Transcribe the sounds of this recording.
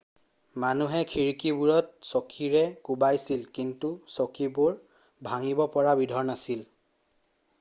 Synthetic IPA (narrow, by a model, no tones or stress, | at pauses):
manuɦɛkʰiɹkibuɹɔt̚sokʰiɹɛkubajsilkintusokibuɹ | bʱaŋibɔpɔɹabidʱɔɹnasil